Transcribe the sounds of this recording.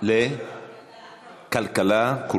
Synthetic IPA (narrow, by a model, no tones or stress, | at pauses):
le | kalkalaku